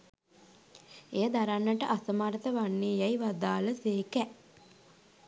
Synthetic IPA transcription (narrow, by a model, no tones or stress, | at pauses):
ejəd̪aɾanːəʈəʔasəmaːɾət̪əʋanːeːjajiʋad̪aːləseːkɛ